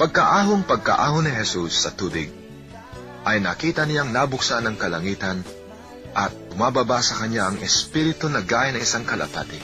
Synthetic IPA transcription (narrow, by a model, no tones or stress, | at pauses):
pɐɡ̚kɐʔaːɦoŋpɐɡ̚kɐ̰ʔaːɦonɪɦɛsusːɐt̪uːbɪɡ̚ | ʔɐjnɐkiːt̪ɐnɪjaŋnabʊksanɐŋkɐlɐŋiːt̪ɐn | ʔɐt̪̚pʊmaːbabasɐkɐɲaɐŋʔɛspiɾɪt̪onɐɡaːjɪnɐŋɪsaŋkɐlɐ̰pa̰ːt̪ɪ